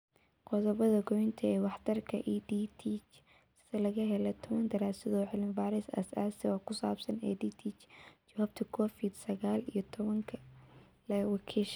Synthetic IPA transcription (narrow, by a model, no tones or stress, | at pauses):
qɔðɔβɐðɐɡɔjnt̪ʰɐɛːwɑħt̪ʰɐrkʰɐ̰ʔiːd̪iːt̪ʰit͡ʃ | sɐlɐɣɐɦɛlɛt̪ʰɔβɐnd̪ɐɾaːsɪðɔħɪlɪnfaːɾɪsɐ̰sa̰ːsɪɔkʰʊsaːbsɐnɛ̰ːd̪iːt̪ʰit͡ʃt͡ʃɐwaːb̚t̪ʰɐkʰɔːfɪd̪sɐɣaːlijɞt̪ʰɔβɐŋkʰɐ | lɐwɑkʰiːʃ